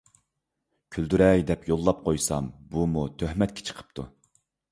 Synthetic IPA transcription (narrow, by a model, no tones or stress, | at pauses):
kʲʰyld̪yɾɛjd̪ɛpjolˠːɑp̚qʰojsɑ̰mbumut̪ʰøhmɛt̪̚kʲe̥t͡ʃʰə̥qʰə̥p̚t̪ʰu